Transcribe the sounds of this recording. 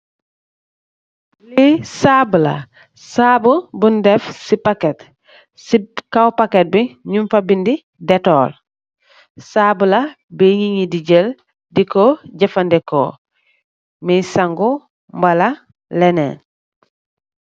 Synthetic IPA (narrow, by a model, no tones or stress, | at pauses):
lisabula̰ | saːbubundefsipaket | sikawpaket̚biɲumfabindi | detoːl | saːbula | beɲiɲidiɟel | dikoɟɐfandeko̰ | misaŋɡo | mbala | lenḛːn